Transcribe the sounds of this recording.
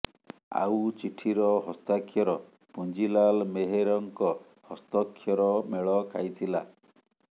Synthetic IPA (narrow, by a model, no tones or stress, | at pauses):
a̰wt͡ʃiʈʰiɾɔɦɔst̪akʰːjɔɾɔ | pund͡ʒilalmeɦeɾɔŋkɔ | hɔst̪ɔkʰːjɔɾɔmeɭɔkʰa̰jt̪ʰila̰